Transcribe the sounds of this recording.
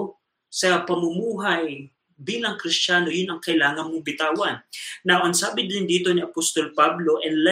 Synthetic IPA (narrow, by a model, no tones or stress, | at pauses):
sɐpɐmʊmuːɦaj | biːlɐŋkɾɪst͡ʃaːno̞jʊnɐŋkɐʔɪlaːŋɐŋmʊŋbɪt̪aːwɐnːɐʔɐnsaːbɪd̪ɪnd̪iːt̪o̞nɪʔɐpost̪olpablo̞ʔɛnlɛ